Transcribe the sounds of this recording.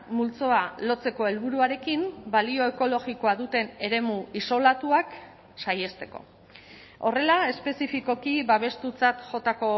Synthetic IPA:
mult͡so̞alo̞t͡se̞ko̞e̞lβ̞uɾuaɾe̞kimbalio̞e̞ko̞lo̞ɣiko̞aðut̪e̞ne̞ɾe̞muiso̞lat̪uak | saje̞st̪e̞̥ko̞̰ | o̞re̞lae̞spe̞sifiko̞kiβaβ̞e̞st̪ut͡sat̪ʝo̞t̪ako̞

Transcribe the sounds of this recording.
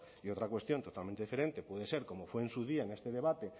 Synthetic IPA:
iot̪ɾakwe̞st̪jont̪ot̪almẽnt̪eifeɾent̪epweðeseɾkomofweːnsuðiaeŋest̪eðeβat̪e

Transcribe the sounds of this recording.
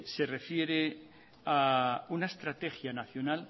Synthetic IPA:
se̞re̞fje̞ɾe | aunaest̪ɾat̪e̞xjanaθjo̞nal

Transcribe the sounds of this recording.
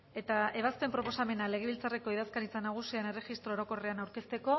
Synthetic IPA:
e̞t̪ae̞β̞aspe̞mpɾo̞po̞same̞nale̞ɣ̞e̞βilt͡sare̞ko̞iðaskaɾit͡sanaɣ̞usiane̞re̞xist̪ɾoːɾo̞ko̞re̞anawɾke̞st̪e̞ko̞

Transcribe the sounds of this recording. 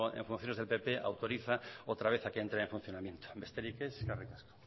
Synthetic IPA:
ḛɱfun̟θjonezðelpe̞pe̞ʔa̰wt̪o̞ɾiθaot̪ɾaβe̞θakeent̪ɾeeɱfũn̟θjonamjẽ̞nt̪o̥best̪eɾikeskarikasko̥

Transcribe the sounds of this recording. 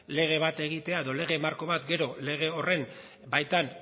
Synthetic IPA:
le̞ɣ̞e̞β̞at̪e̞ɣ̞it̪e̞aeðo̞le̞ɣ̞e̞maɾko̞βat̪ɡe̞ɾo̞le̞ɣ̞e̞o̞re̞n | bajt̪an

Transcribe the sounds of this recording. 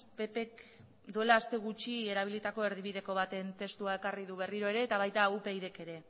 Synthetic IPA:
pe̞pe̞k | d̪ue̞laːst̪e̞ɣut͡ʃie̞ɾaβ̞ilit̪ako̞e̞ɾðiβ̞iðe̞ko̞β̞at̪e̞nt̪e̞st̪uae̞kariðuβe̞riɾo̞e̞ɾe̞ːt̪aβ̞ajt̪aupejðe̞ke̞ɾe̞

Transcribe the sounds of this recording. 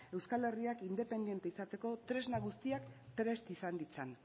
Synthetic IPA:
e̞wskale̞riakind̪e̞pe̞nd̪je̞nt̪eisat̪e̞ko̞t̪ɾe̞znaɣust̪iakt̪ɾe̞st̪isand̪it͡san

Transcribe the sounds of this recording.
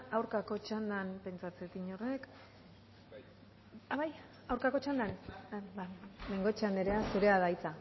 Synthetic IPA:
awɾkako̞t͡ʃand̪anpe̞nt͡sat͡set̪iɲore̞k | aβaj | awɾkako̞t͡ʃand̪anameŋɡo̞t͡ʃaneɾeasuɾe̞aðajt͡sa

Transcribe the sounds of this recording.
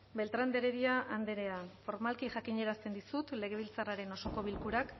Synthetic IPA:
be̞lt̪ɾand̪e̞ɾe̞ɾiaʔand̪e̞ɾe̞afo̞ɾmalkiʝakiɲe̞ɾast̪e̞nd̪isut̪le̞ɣ̞e̞β̞ilt͡saraɾe̞no̞so̞ko̞βilkuɾak

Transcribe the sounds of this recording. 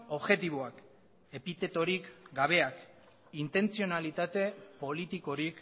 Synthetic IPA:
o̞βxe̞t̪iβ̞oak | e̞pit̪e̞t̪o̞ɾikɡaβe̞ak | int̪e̞nt͡sio̞nalit̪at̪e̞po̞lit̪iko̞ɾik

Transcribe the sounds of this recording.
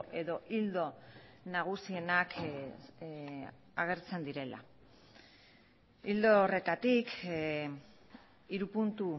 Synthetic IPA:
ʔe̞ðo̞ʔild̪o̞ | naɣ̞usie̞nakʰ | aɣ̞e̞ɾt͡se̞nd̪iɾe̞la̰ | ild̪ore̞t̪at̪ik | iɾupunt̪u

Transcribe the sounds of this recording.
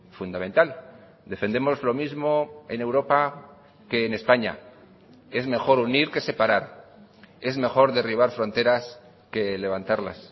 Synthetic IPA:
fund̪ament̪al | d̪e̞fe̞nd̪e̞mo̞zlo̞mizmo̞e̞ne̞wɾo̞pa | ke̞ːne̞spaɲa̰ | e̞zme̞xo̞ɾuniɾke̞se̞paɾaɾ | e̞zme̞xo̞ɾðe̞riβ̞aɾfɾo̞nt̪e̞ɾas | ke̞le̞βant̪aɾla̰s

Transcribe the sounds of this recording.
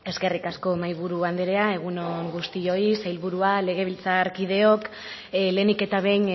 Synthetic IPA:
e̞ske̞rikasko̞majβ̞uɾuand̪eɾe̞ae̞ɣ̞unoŋɡust̪io̞isajlβuɾuale̞ɣ̞e̞β̞ilt͡saɾkið̞e̞o̞k | le̞nike̞t̪aβe̞jn

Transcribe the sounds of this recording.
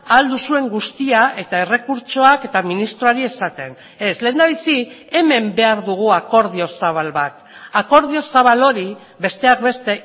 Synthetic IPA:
ald̪usue̞ŋɡust̪iaʔe̞t̪ae̞re̞kuɾt͡ʃoake̞t̪aminist̪ɾoaɾie̞sat̪e̞n | e̞sleːnd̪aβ̞isie̞me̞mbe̞aɾðuɣ̞uako̞ɾðio̞saβ̞alβat̪ | ako̞ɾð̞io̞saβalo̞ɾi | be̞st̪e̞ak̚be̞st̪e̞

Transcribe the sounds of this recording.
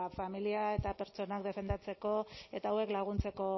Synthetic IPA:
familiae̞t̪ape̞ɾt͡ʃo̞nakd̪e̞fe̞nd̪at͡se̞ko̞e̞t̪aːwe̞klaɣ̞unt͡se̞ko̞

